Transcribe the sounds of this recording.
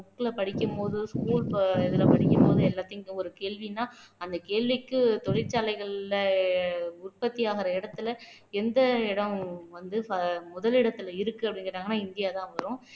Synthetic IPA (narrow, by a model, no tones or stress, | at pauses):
ʊkːɯlɐpɐɽɪkʲːɯmpoːðɯskuːlpɪðɪlɐpɐɽɪkʲːɯmpoːðɯɛlːaːt̪ːɪŋkːɯ̃ɔɾɯkeːɭʋinːaːɐnd̪ɐkeːɭʋɪkːɯt̪ɔɽɪɾt͡ʃaːlɐɪɣɐɭɪlɐ | ʊrpɐt̪ːijaːɣɪɾɐɪɽɐt̪ːɯlɐ | ɛnd̪ɐɪɽɐmʋɐnd̪ɯfɐmʊðɐlɪɽɐt̪ːɯlɐɪɾɯkːɯɐpːɽɪŋɡɪɾːaːŋɡɐnːaːɪnd̪ɪjaːt̪ãːʋɐɐɾʊ̃